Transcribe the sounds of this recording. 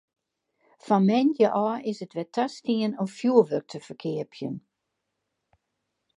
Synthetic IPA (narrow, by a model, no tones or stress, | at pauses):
fɔnmɛndjəʔɔːɪsətʋɛtʰastiənɔmfjuəʋøk̚tʰəfərkʰɪəpʰjən